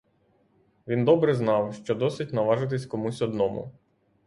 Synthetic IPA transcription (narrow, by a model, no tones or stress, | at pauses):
ʋʲind̪ɔbɾɛznɑwʃt͡ʃɔd̪ɔsɪtʲnɐʋɑʒɪt̪̬ɪsʲkɔmusʲɔd̪nɔmʊ̰